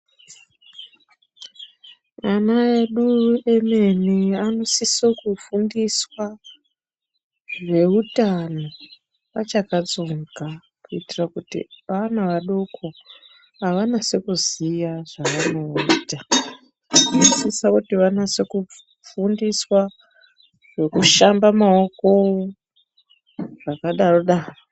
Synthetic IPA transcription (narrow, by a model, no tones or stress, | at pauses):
anaeɗueme̞neano̞sisokufundiswa | ʐe̞utano̞ | ʋa̰t͡ʃakad͡zo̞ŋɡa | kuitirakutḭanaʋaɗokʰo̞ | aʋanase̞kuzijaʐ̥aʋano̞iːta | ʐisisakutiʋanase̞ku | fundiswa | ʐe̞kuʃambamao̞ko̞o | ʐakaɗaro̞ɗaːro